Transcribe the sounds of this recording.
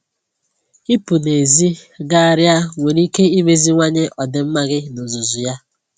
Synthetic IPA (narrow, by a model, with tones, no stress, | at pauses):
i˦pu˨ne˨zi˦ɡa˦a˨ɾja˦ŋʷe˨ɾi˦ke˦i˦me˨zi˦ŋʷa˦ɲe˦ʔɔ˨dɪ˨m̩˦ma˦ɡɪ˦no˨zu˨zu˨ja˦